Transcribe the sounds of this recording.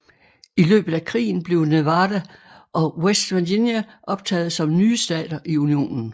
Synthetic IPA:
ilø̰ːb̥ð̩ˠækʰʁḭːn̩b̥le̝ʊneʋɑːd̥æ | ʔɒ̽wesd̥ʋændinjæʔɒ̽b̥̚t͡sʰɛ̰ːð̞̩ˠsɒ̽mnyːsd̥ɛ̰ːd̥ɐʔiunio̝̰ːnn̩

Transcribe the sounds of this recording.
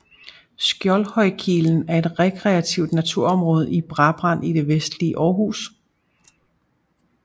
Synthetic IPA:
sɡ̥jɒlhɒ̽ɪ̰kʰiln̩æɐe̝d̥ʁɛkʰʁɛæt͡sʰiʊd̥næt͡sʰuɐ̰ɒ̽mʁɔ̽ːð̞̩ˠib̥ʁɑ̈b̥ʁɑ̈n̰id̥e̝ʋesd̥liəʔɒːɦṵːs

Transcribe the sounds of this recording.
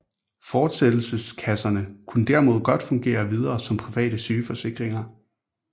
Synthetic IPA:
fɒ̥ːsed̥l̩səskʰæsɐnəkʰunəd̥æɐ̰mo̝ð̞̰ˠɡ̥ɒ̽d̥fɔ̽ŋɡ̥e̝̰ːɐʋið̞ˠɐːsɒ̽mpʰʁiʋɛ̰ːd̥əsyːfɒ̽se̝ɡ̥ʁeŋɐ

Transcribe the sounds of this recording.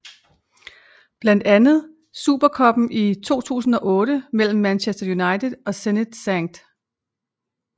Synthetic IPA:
b̥læn̰d̥ænð̞̩ˠ | sṵːb̥ɐkʰɒ̽b̥n̩ʔit͡sʰo̝̰ːt͡sʰṵːsn̩ɒ̽ʔɔ̽ːɾəmel̰m̩ːænɕesd̥ɐjunɑ̈ɪt͡sʰedˠɒ̽sened̥sæŋd̥

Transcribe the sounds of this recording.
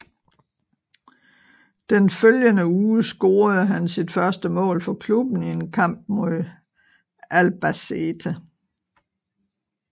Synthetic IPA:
d̥enføljənəuːsɡ̥o̝ːɐð̞ˠɦænsid̥fɶɐsd̥əmɔ̰̽ːlfɒ̽kʰlub̥n̩ienkʰɑ̈m̰b̥̚mo̝ðˠ | ʔælb̥æset͡sʰæ

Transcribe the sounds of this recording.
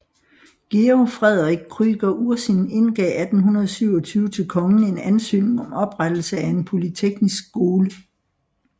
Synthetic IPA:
ɡ̥eofʁɛð̞ˠʁɡ̥̚kʰʁyɡ̥ɐʔuɐsine̝nɡ̥ɛ̰ːæd̥n̩ɦunɐð̞ˠsyʊ̰ɒ̽t͡sʰyːʊət͡sʰe̝lkʰɒ̽ŋn̩e̝nænsø̰ːne̝ŋɒ̽mɒ̽b̥ʁad̥l̩səæe̝npʰo̝lit͡sʰeɡ̥nisɡ̥ɡo̝ːlə

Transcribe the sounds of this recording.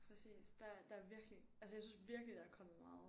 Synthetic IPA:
pʰʁɛsḭːsd̥ɑ̈d̥ɑ̈æɐʋiɐɡ̥liʔælsəjɑ̈ɪsynsʋiɐɡ̥lid̥ɑ̈æɐkʰɒ̽m̰ð̩ˠmɑ̈ːð̩ˠ

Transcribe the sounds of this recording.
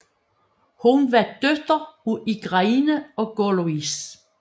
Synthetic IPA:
hunʋæd̪̥ød̥ɐuiɡ̥ʁɑ̈inəɒ̽ɡ̥oluis

